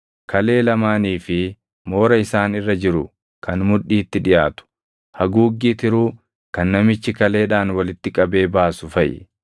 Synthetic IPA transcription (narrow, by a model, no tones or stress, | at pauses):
kʰɐle̞ːlɐmaːniːfɪ | mo̞ːɾɐɪsaːnɪrːɐd͡ʒɪɾʊ | kʰɐnmʊᶑːiːt̪ːɪᶑɪjaːt̪ʊ̥ | hɐɡuːɡːiːt̪ɪɾuː | kɐnːɐmɪt͡ʃːɪkɐle̞ːᶑaːnwɐlɪt̪ːɪkʼɐbe̞ːbaːsʊfɐʔɛ̰